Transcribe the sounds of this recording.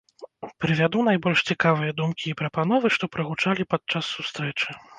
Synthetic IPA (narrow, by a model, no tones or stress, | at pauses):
pɾɨvʲad̪unajbɔlʲʂt͡sʲikavɨjɐd̪umkʲiːpɾɐpanɔvɨʂt̪ɔpɾɐɣut͡ʂalʲipat̪̚t͡ʂasːust̪ɾɛt͡ʂɨ